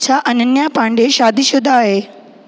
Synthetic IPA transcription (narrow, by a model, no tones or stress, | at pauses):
t͡ɕʰaːʔɐnənjapãːɳɖeʃaːd̪ʱisʊd̪ʱaːɦeː